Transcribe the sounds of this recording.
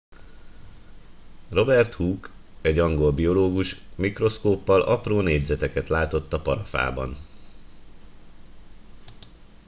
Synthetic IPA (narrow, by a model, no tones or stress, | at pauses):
ro̞bɛrt̪huːk | ɛɟɒŋɡo̞lbio̞loːɡuʃmikro̞skoːpːɒlɒproːneːɟzɛt̪ɛkɛt̪laːt̪o̞t̪ːɒpɒɾɒfa̰ːbɒ̰n